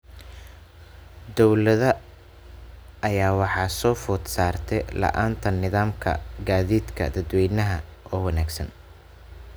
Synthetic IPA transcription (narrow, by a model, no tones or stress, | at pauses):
d̪ɔwlɐðɐ | jaːwɑħɑːsɔːfʊːd̪saːrt̪ʰɛlɐ̰ʔaːnt̪ʰɐnɪðaːmkʰɐ̰ɡaːðiːd̪kʰɐ̰d̪ɐd̪wɛjnɐɦɐʔɔːwɐnaːɡsɐ̰n